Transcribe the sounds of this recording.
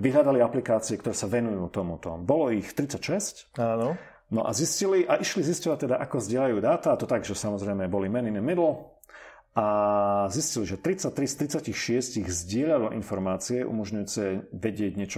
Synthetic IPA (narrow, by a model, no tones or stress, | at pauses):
ʋiɦlʎad̪aliaplikaːt͡siɛkt̪ɔɾɛːsaʋɛnujuːt̪ɔmut̪ɔ̰bɔlɔixt̪ɾit͡sacʃɛscaːnɔ | nɔ̰ʔa̰zisciliʔaʔiʃliziscɔʋac̚t̪ɛd̪aʔakɔzɟɪɛlajuːd̪aːt̪aat̪ɔt̪aɡʒɛsamɔzɾɛɪmɛbɔlimɛninɛmɛd̪l̩ | ʔazisciliʒɛt̪ɾit͡sac̚t̪ɾist̪ɾit͡sacixʃɪɛsciɣzɟɪɛʎalɔʔḭnfɔɾmaːt͡siɛʔṵmɔʒɲujuːt͡sɛʋɛɟɪɛɟɲɪɛt͡ʃɔ